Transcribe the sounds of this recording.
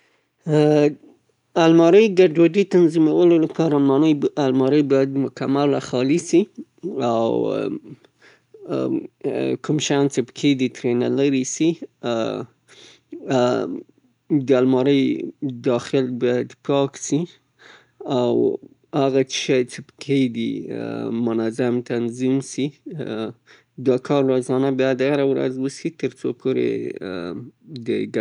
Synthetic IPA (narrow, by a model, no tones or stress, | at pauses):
almɑɾəjɡaɖwaɖit̪anzimawəlolapʰɑɾalmɑnəjalmɑɾəjbɑjad̪mʊkamalaxɑlisiaww | kumʃajɑnt͡ʃepə̥kʰed̪it̪ɾena̰laɾisi | d̪əalmɑɾəjd̪ɑxɪlbɑjad̪pʰɑksi | aw | haɣaʃajt͡ʃepə̥kʰed̪i | mʊnazamt̪anzimsi | d̪ɑkʰɑɾːozɑnabjɑjad̪aɾawɾa̰zwəsit̪əɾt͡so̰pʰoɾḛ | d̪əɡ